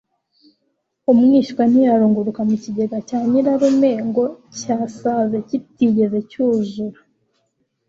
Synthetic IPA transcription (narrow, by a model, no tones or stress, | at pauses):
umŋiːʃkwan̥ijaɾuːŋɡuɾukamuciɟe̞ɡacaːɲiɾaɾumeŋɡo̞caːsaːzecitiɟe̞ze̞cuːzuɾa